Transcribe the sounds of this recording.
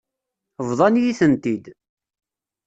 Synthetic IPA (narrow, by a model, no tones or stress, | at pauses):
vðˤɑnjiθənt̪id̪